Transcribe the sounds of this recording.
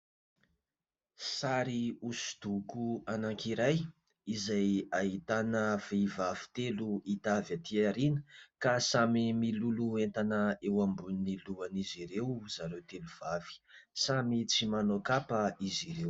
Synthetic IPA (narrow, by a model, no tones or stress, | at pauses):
saɾiusu̥d̪̥ukuanaŋkiɾaj | izajaɦit̪anəv̥evavi̥t̪eluit̪avjat̪iaɾinə̥kasamimiluluent̪anəewambunniluaniziɾewz̥aɾewt̪eluv̥av̥i̥samit͡simanokapəiziɾew